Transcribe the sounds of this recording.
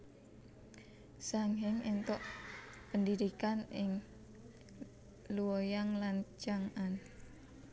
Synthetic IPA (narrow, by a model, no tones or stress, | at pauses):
saŋɦɪŋent̪ɔʔpəndiɾikanɪŋ | luwojaŋlant͡ʃaŋan